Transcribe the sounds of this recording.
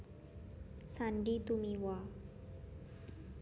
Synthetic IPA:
sanɖit̪umiwa

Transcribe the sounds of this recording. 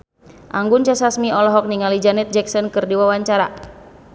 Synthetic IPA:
ʔaŋɡʊnt͡ʃɛsasmiɔlɔɦɔk̚niŋalid͡ʒanɛt̪̚d͡ʒɛksɔnkɨrdiwawaɲt͡ʃaɾa̰

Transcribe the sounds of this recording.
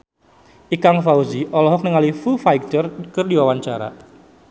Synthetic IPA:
ʔikaŋfauziʔɔlɔɦɔk̚nəŋalifufajɡ̚t̪ərkərdiwawaɲt͡ʃaɾa̰

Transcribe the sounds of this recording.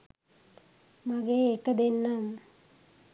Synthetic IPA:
maɡeːekːəd̪enːam

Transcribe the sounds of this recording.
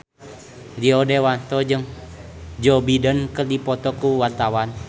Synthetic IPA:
diɔdewant̪ɔd͡ʒəŋ | d͡ʒɔbidənkərdipɔt̪ɔkuwart̪awan

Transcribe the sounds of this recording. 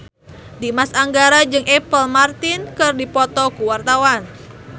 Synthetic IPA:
dimasaŋɡaɾad͡ʒɨŋʔɛpəlmart̪ɪnkɨrdipɔt̪ɔkuwart̪awan

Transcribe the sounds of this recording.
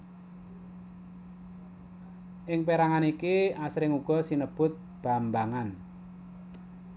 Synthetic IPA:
ʔɪŋpeɾaŋanikiasɾɪŋuɡ̥ɔ̤sinəb̥ʊ̤t̪̚ | b̥a̤mbaŋan

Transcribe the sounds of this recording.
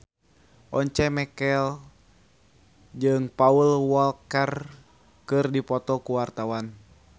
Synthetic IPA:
ʔɔɲt͡ʃɛmɛkɛl | d͡ʒɨŋpaulwɔlkɛr | kɨrdipɔt̪ɔkuwart̪awan

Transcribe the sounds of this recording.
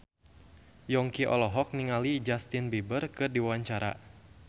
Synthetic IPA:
jɔŋkiʔɔ̰lɔɦɔk̚niŋalid͡ʒast̪inbibərkɨrdiwwaɲt͡ʃaɾa̰

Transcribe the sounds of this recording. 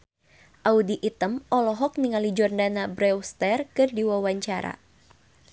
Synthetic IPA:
ʔaudiʔit̪əmɔlɔɦɔk̚niŋalid͡ʒɔrdanabɾɛwst̪ɛrkɨrdiwawaɲt͡ʃaɾa̰

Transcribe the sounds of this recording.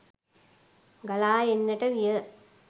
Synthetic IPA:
ɡɐlaːjenːɐʈːɐʋijɐ

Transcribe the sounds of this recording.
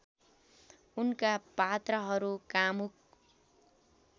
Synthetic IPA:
unkapat̪rʌɦʌɾukamuk̚

